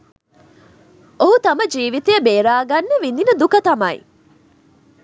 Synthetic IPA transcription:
oɦut̪ɐmɐd͡ʒiːʋit̪ejɐbeːɾaːɡɐnːeʋininɐd̪ukɐt̪ɐmɐḭ

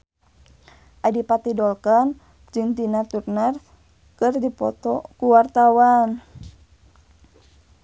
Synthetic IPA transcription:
ʔajdipat̪idɔlkan | d͡ʒɨŋt̪inat̪urnar | kɨrdipɔt̪ɔkuwart̪awan

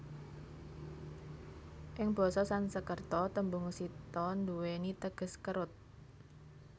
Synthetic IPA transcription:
ʔɪŋb̥ɔ̤sɔsansəkərt̪ɔt̪əmbʊŋsit̪ɔnd̪uwenit̪əɡ̥ə̤skəɾʊt̪̚

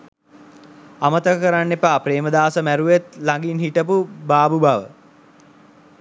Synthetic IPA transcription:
amət̪əkkəɾanːepaːpɾeːməd̪aːsəmæɾuʋet̪laŋɡinɦiʈəpubaːbubaʋə

